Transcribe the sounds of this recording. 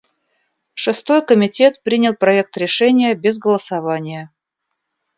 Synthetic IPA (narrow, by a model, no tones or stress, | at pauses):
ʂɨst̪o̞jkəmʲɪtʲe̞t̪pɾʲinʲɪlˠpɾɐe̞k̚t̪ɾʲɪʂɛnʲɪjəbʲɪzɡəlˠəsɐvanʲɪjə